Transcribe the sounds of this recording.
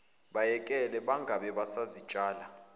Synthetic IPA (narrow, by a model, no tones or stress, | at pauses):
ɓajɛkʼɛlɛɓaŋɡʱaɓɛɓasazi̥t͡ʃʼaːla